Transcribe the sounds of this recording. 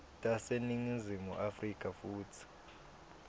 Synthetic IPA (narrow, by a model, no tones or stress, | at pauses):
tʼaseniŋizimuʔafrikʼafuːtʰi̥